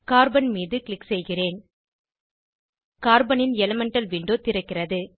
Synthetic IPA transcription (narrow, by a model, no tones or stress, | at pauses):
kaːɾbɐnmiːðɯklɪksɛjɣɪreːn | kaːɾbɐnɪnɛlɐmɛɳʈɐlʋiɳɖoːt̪ɪɾɐkːɪrɐðɯ